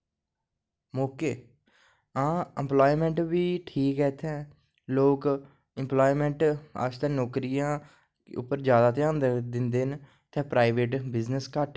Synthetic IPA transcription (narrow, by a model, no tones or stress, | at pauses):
moːkeː | ãːəmploːimɛ̃ːɳʈʋiːʈʰiːkɛːt̪ʰɛ̃ː | loːk | ɪmplaːimɛ̃ːɳʈa̰t͡ʃt̪ɛːnoːkɾijãː | kːʊ̰pːəɾd͡ʒjaːd̪aːt̪ɪjãːnd̪d̪ɪnd̪eːn | t̪ɛ̃ːpɾaːiʋeːʈbɪznəskəʈ